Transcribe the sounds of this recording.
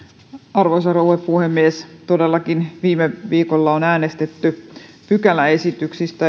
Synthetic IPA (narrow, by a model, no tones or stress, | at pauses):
ɑrʋosɑrouepuhemːiest̪o̞delːɑkinʋiːmeʋiːkolːɑonæːne̞st̪et̪ːy | pykælæesit̪yksist̪æ